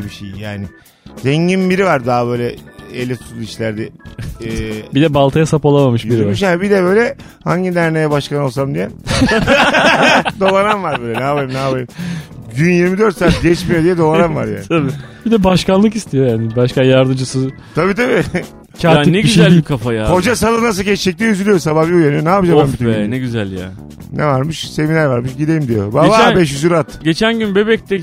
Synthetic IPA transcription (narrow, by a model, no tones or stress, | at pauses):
biʃejjaːnɪ | zɛɲɟinbiɾivaɾd̪aɦabø̞ːjlʲɛelʲɛt̪u̥t̪ulˠiʃlʲæɾd̪ɛɛbid̪ɛbalˠt̪ʰajasapalˠamamɯʃbiɾimyʃjaːnibid̪ɛbø̞jlʲɛ | haɲɟid̪æɾnejɛbaʃkano̞lˠsamd̪ijɛ | d̪o̞lˠananvaɾbøːlʲɛnaːbajimnaːbajimɟynjiɾmid̪øɾt̪saːt̪̚ɟɛt͡ʃmijod̪ijɛd̪o̞lˠananvaɾja̰ːnʰabibid̪ɛbaʃkanlˠɯkist̪ʰijo̞jaanɪbaʃkajaɾd̪ɯmd͡ʒɯsɯ | t̪ʰabiːt̪ʰabi | cʰaːinɛɟiyzælikʰafajako̞d͡ʒasalˠɯnas̬ɯlˠɟɛt͡ʃt͡ʃʰɛc̚lʲiyzylʲyjosababiujanyjonaːpɯd͡ʒambambit̪ʰenɛɟyzælʲja̰ | nʔɛvaɾmɯʃse̞minæɾvaɾmɯʃɟid̪ejimd̪ijo̞̰bababɛʃ̬jyzyɾat̪ɟe̞t͡ʃʰænɟynbebɛc̚t̪ɛ